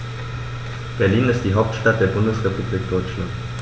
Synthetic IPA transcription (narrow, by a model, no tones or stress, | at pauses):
b̥ɛɐliːnɪst̚d̥iːɦaʊp̚tʃtat̚d̥eːɐbʊndəsʁepubliːk̚d̥ɔʏt͡ʃlant